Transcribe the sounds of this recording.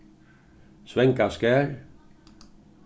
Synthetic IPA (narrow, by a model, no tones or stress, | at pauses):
sʋɛŋkaskæːɾ